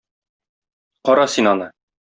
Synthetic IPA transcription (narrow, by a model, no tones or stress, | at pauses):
qɒɾɑsinɒnɤ